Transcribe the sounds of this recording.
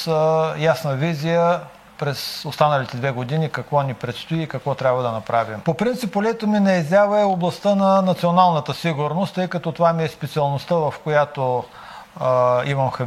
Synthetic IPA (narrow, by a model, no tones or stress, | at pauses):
jasnəvizijə | pɾɛsost̪anəlit̪ɛd̪vɛɡod̪inikɐkvɔnipɾɛt̪st̪oiːkɐkvɔt̪ɾʲabvəd̪ɐnɐpɾavimpopɾint̪sipolɛt̪ominɐɛzʲavəɛoblˠɐst̪ənɐnɐt̪sionalˠnət̪əsiɡʊɾnost̪ːɤjkɐt̪ɔt̪ovamiɛspɛt̪siɐlˠnost̪əvɐfkojat̪o | imɐmxɐ